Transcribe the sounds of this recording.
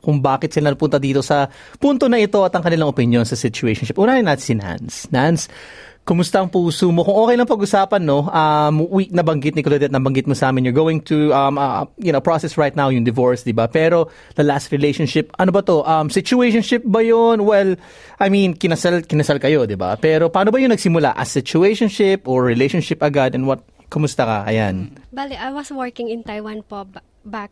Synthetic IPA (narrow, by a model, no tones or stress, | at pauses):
kʊŋbaːkɪt̪sɪlɐnɐpʊnt̪ɐd̪iːt̪o̞sɐ | punt̪onɐʔɪt̪o̞ɐt̪ɐŋkɐnɪlaŋʔopɪnjo̞nsɐsɪt͡ʃʊejʃonʃɪpʔunaːɾɪnːɐt̪sɪna̰nsnans | kʊmʊst̪aʔɐŋpuːsomo̞kʊŋʔoːkɛjlɐŋpɐɡʊsaːpɐnːo̞ʔɐmwik̚nɐbɐŋɡɪt̪̚nɪklɛd̪ɛt̪̚nɐbɐŋɡɪt̪̚mosɐʔaːmɪnjɔɹɡoːwɪŋt̪uʔɐmɐjʊnopɹosɛsɹajt̪nawjʊŋd̪ɪvoɹsd̪ɪbapɛːɾo̞ | d̥̪ɐlast̪ɹɪlejʃonʃɪpʔɐnobɐt̪o̞ʔɐmsɪt͡ʃʊejʃ̬onʃɪp̚bɐjonwɛl | ʔɐjminkɪnɐsalkɪnɐsalkɐjo̞d̪ɪba̰pɛːɾo̞paːnobɐjʊŋnɐɡsɪmʊla̰ʔɐ̰sɪt͡ʃʊeʃonʃɪpʔoɹɹɪlejʃonʃɪpʔɐɡad̪ɛnwɐt̪̚ | kʊmʊst̪ɐkɐ̰ʔɐ̰ja̰nbalɪʔajwɐswɔɹkɪŋɪ̃nt̪ajwanpo | bak̚